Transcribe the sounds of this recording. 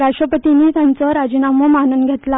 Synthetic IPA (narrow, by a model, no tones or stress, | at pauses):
ɾaʂʈɾəpət̪iniːt̪jant͡səɾad͡ʑinaməmanənɡʱet̪la